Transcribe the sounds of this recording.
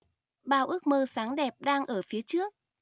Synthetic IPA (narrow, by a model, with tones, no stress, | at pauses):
ɓaː˧˩wʔɨ˦˥ək̚məː˧saː˨˦ŋɗɛ˨˩p̚ɗaː˧ŋʔəː˧˩fi˨˦ət͡ɕɨ˦˥ək̚